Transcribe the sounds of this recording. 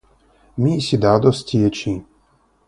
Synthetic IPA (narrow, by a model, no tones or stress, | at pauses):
mʲisʲid̪ad̪ɔstʲiet͡ʃi